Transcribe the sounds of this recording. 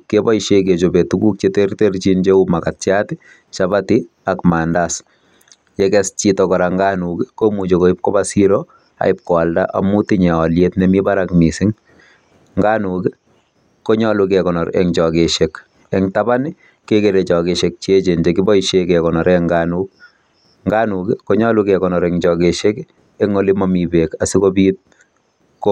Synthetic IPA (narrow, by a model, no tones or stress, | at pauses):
kebɔiʃek̬et͡ʃobetuɡuk̚t͡ʃetertert͡ʃind͡ʒeumakatt͡ʃatɪ | t͡ʃabati | akmaːndas | jɛkɛst͡ʃitɔkɔɾaŋɡanukɪkomut͡ʃokoɪp̚kɔbasiɾo | a̰ɪp̚kɔalda̰ʔa̰mutiɲɛɔljetnɛmibaɾakmisɪŋ | ŋɡanuki | koɲɔlukɛkɔnɔɾɛ̰ŋt͡ʃɔkeʃek | ɛŋtabani | kekeɾet͡ʃɔkeʃek̚t͡ʃet͡ʃend͡ʒekibɔiʃekɛkɔnɔɾɛŋɡaːnuk̚ | ŋɡanukkoɲɔlukɛkɔnɔɾɛŋt͡ʃɔkeʃek | ɛŋolimamibekasikobiːt̚ | k